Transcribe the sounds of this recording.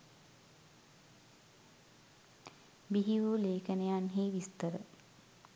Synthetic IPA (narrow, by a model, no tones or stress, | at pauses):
biɦiʋuleːkənejanɦiːʋist̪əɾə